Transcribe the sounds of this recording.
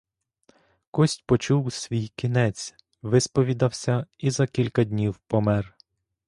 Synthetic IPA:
kɔsʲtʲpɔt͡ʃuwsʲʋʲijkʲinɛt͡sʲ | ʋɪspɔʋʲid̪ɐwsʲɐizɐkʲilʲkɐd̪ʲnʲiwpɔmɛr

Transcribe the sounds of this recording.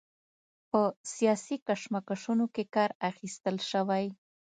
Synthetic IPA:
pəsijɑsikaʃmakaʂunokekɑɾaxist̪əlʃəwaj

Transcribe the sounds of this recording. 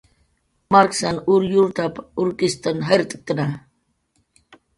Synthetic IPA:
maɾksanuɾjuɾt̪apuɾkist̪ənɦajɾt̪ʼkːəna

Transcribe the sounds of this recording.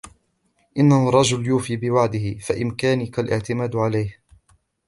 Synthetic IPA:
ʔɪnːahʊrˤːɑd͡ʒʊljuːfiːbɪwaʕd̪ɪhɪfaʔɪnkaːnɪkalʔɪ̰ʕt̪ɪmaːd̪ʕalajh

